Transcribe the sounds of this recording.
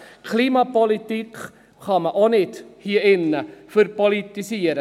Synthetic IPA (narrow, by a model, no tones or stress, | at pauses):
kʰliːmɑpɔlit̪ik | χɑməʔonɪthiːəɪnːəføɾpɔlit̪isiːəɾə